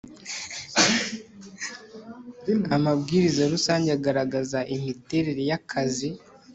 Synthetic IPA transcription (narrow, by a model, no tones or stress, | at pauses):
amabɡiːɾizaɾusaːɲɟeaɡaɾaɡazaʔihite̞ɾeɾejakʰazi